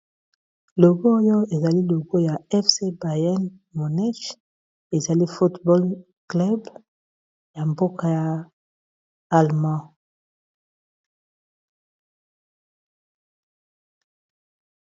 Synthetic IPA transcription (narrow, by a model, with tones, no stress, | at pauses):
lo˨ɡo˦jo˦e˨za˨li˦lo˨ɡo˦ja˨ɛ˦fse˦ba˨ja˦n | mo˨nɛ˦ʃ | e˨za˨li˦fu˦tbɔ˦l | klɛ˦b | ja˨mbo˦ka˨ja˨ | a˨lmã˦˨